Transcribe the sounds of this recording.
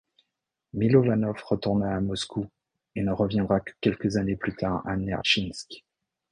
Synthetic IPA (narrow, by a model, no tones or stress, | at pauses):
milɔvanɔfʁət̪uʁnaːmɔsku | enəʁəvjɛ̃d̪ʁakə̥kʲɛlkəzaneplyt̪aʁa̰nɛ̰ʁʃinsk